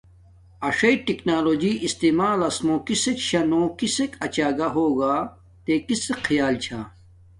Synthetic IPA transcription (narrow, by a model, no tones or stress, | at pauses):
ɐʂɐiʈiknaːloːd͡ʑiʔist̪iːmaːlɐsmõkisekɕʰɐnõːkisekɐt͡ɕaːɡaɦoːɡa | t̪ekiseqʰijaːlt͡ɕʰa